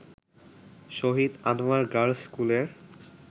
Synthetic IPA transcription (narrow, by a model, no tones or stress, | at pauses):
ʃoɦid̪anmaɾɡaɽskuleɾ